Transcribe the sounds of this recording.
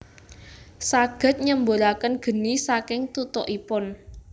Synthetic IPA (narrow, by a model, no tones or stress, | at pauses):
saɡ̥ə̤t̪̚ɲəmboɾakənɡ̥ə̤nisakɪŋt̪ut̪ɔʔipʊn